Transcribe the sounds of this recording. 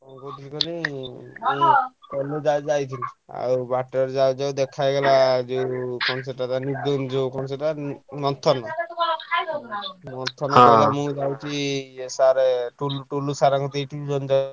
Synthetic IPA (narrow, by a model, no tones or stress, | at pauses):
ɔ̃kɔt̪iikɔnimũk̪ɔlod͡ʒad͡ʒajt̪ʰinia̰ɾubaʈɔɾd͡ʒawd͡ʒawd̪ekʰajɡelad͡ʒewkɔnɔseʈat̪anid̪und͡ʒewkɔnɔseʈamɔt̪ʰɔnɔ | mɔnt̪ʰːɔnɔɔlamũd͡ʒawt͡ʃʰiesaɾeʈuluʈulusaɾakɔt̪iʈid͡ʒɔnd͡ʒa